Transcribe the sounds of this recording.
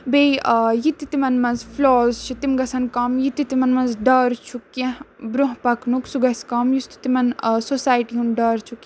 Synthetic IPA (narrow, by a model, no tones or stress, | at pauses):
bejjit̪it̪imɐnmɐnzfloːzt͡ʃʰit̪imɡɐsɐnkaːmjit̪ːit̪imɐnmɐnzɖaːɾt͡ʃʰukːẽbɾoɦpɐknuksuɡɐsʲkaːmjust̪i̥t̪imɐnsosaːjʈiɦunɖaːɾt͡ʃʰukẽ